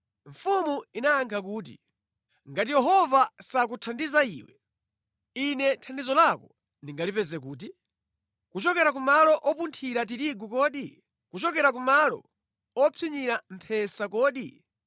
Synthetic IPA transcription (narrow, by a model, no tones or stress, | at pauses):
ɱ̩fumuinaːŋkʰak̬uːt̬ḭ | ŋɡat̬ijɛɦɔvasak̬utʰandizaḭːwɛ̰ | inɛtʰandizɔlakɔ | niŋɡalipɛzɛk̬uːt̬i | kut͡ʃɔkɛɾak̬umalɔʔɔpuntʰiɾat̬iɾiɡukɔːɗi | kut͡ʃɔkɛɾak̬umalɔ̰ | ɔpʰiɲiɾampʰɛsakɔːɗi